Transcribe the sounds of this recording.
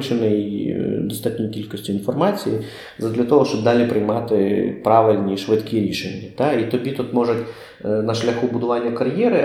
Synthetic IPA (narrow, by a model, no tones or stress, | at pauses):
t͡ʃenɪjd̪ɔst̪ɑt̪ʲnʲikʲilʲkɔsʲtʲiinfɔrmɑt͡sʲiji | zɐd̪lʲɐt̪ɔɦɔʃt͡ʃɔb̚d̪ɑlʲipɾɪjmɑt̪ɪpɾɑʋɪlʲnʲiʃʋɪt̪kʰʲiɾʲiʃenʲːɐt̪ɑit̪ɔbʲit̪ut̪mɔʒʊtʲ | nɐʃlʲɐxubʊd̪ʊʋɑnʲːɐkɐɾjɛɾɪ